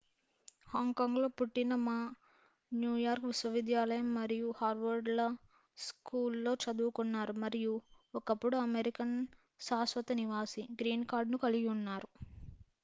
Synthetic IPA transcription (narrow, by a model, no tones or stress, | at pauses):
haːŋɡkaːŋɡlo̞ːpuʈːinɐmaː | njuːjaːɾkʋiswɐʋid̪jaːlɐjɐmːɐɾijuhaːɾʋɐɾɖlɐ | skuːlːo̞ːt͡ʃɐd̪uːkunːaːɾumɐɾiju | ɔkɐpːuɽuɐmeɾikɐn | saːsʋɐt̪ɐniʋaːsiɡɾiːnkaːɾɖnukɐliɡunːaːɾu